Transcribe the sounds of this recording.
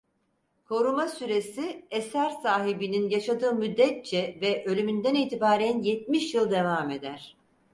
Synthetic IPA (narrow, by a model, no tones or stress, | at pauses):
kʰo̞ɾumasyɾe̞siesæɾsaːɦibininjaʃad̪ɯːmyd̪ːɛt̪̚t͡ʃʰɛvɛʔø̞lʲymynd̪æniːt̪ʰibaːɾænjet̪̚miʃjɯlˠd̪e̞vaːme̞d̪æɾ̥